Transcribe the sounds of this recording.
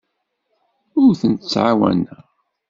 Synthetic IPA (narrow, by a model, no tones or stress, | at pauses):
ʊɾθənt̪ət͡sːʕawæ̰næ